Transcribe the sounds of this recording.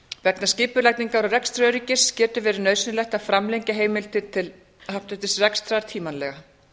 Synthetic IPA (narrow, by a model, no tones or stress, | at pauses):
vɛknasciːpʏɾlajt̪niŋkaɾɔrɛkst̪ɾœɥɾicɪscɛːt̪ʏvɛːɾɪɾnœːɥsʏnʏlɛjht̪ḁfɾamlejɲcaɦeːjmɪlt̪ɪt̪ʰɪl | haht̪ʏt̪ɪsrɛkst̪ɾaɾ̥t̪ʰiːmanlɛ̰ɣa